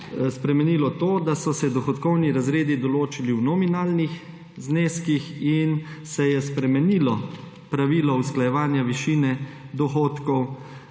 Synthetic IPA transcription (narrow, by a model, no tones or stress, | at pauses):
spɾɛmɛniːlɔt̪oːd̪asɔsɛd̪ɔxɔt̪kɔwniɾazɾeːd̪id̪ɔloːt͡ʃiliwnɔminaːlnix | zneːskixinsɛjɛspɾɛmɛniːlɔ | pɾaʋiːlɔusklajɛʋaːnjaʋiʃiːnɛd̪ɔxoːt̪kɔw